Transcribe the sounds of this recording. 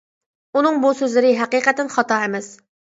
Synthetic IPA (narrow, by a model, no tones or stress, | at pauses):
unɨŋbusøzlɪɾɪɦɛqiːqɛt̪ɛnχɑt̪ɑemɛs